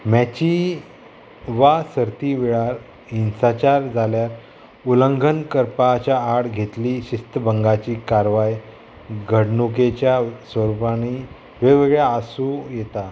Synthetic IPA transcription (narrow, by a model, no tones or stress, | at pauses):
mat͡ɕi | ʋasəɾt̪iʋeɭaɾ | insat͡ɕaɾd͡zʱaljaɾ | uləŋɡʱənkəɾpat͡ɕaːɽɡʱet̪liːɕist̪əbəŋɡat͡ɕiːkaɾʋaj | ɡʱəɽɳuket͡ɕjasʋəɾupañi | ʋeʋəɡɭjaːsujet̪a